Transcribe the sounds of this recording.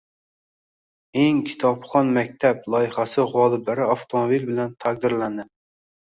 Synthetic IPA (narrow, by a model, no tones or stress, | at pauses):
eŋkʲʰi̥t̪ʰɑpχɑnmɛk̚ʲt̪ʰɛp̚lˠɑjiχæsɨʁɑːlˠɨblæɾɪɑft̪ʰomobilbɪlɛnt̪ʰæq̚d̪ɨɾlɛnd̪ɪ